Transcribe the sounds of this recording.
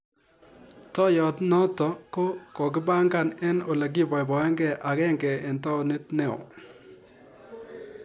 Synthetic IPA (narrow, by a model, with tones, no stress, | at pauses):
tɔ˦jɔ˨tnɔ˦tɔ˨ko˦kɔ˨kɪ˦ba˦ŋɡa˦˨nɛ˦no˨la˨ɡi˦bɔ˨jbɔ˨ɛ˦ŋɡɛ˨ʔa˨kɛ˦ŋɡɛ˨ɪ˨ntɔ˦o˨ne˦tne˦ɔ̰˨